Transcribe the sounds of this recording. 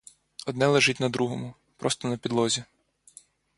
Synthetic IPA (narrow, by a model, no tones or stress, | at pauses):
ɔd̪nɛlˠeʒɪtʲnɐd̪ɾuɦɔmʊ | pɾɔst̪ɔnɐpʲid̪lˠɔzʲi